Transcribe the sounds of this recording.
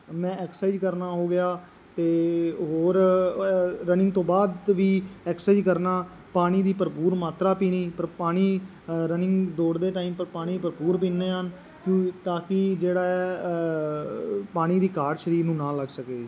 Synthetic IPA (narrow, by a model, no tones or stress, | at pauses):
mɛ̃ːɛksaːid͡ʒkəɾnaːɦoːɡɪjaː | t̪eːɦoːɾ | ɾənɪ̃ŋɡt̪õːbaːd̪ʋiːɛːksaːd͡ʒkəɾnaː | paːñiːd̪iːpəɾpuːɾmaːt̪ɾaːpiːniːpəɾpaːɽ̃iː | ɾənɪ̃ŋɡd̪oːɽd̪eːʈaːiːmpəɾpaːɽ̃iːpəɾpuːɾpiːneːɦən | kõt̪aːkɪd͡ʒeːɽaːɛː | paːɽ̃iːd̪iːkaːɾʃəɾiːɾnũːnãːləɡsəkeː